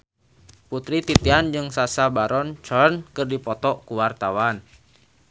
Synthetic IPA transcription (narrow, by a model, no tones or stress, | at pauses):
put̪ɾit̪it̪iand͡ʒɨŋsasabaɾɔnt͡ʃɔrnkɨrdipɔt̪ɔkuwart̪awan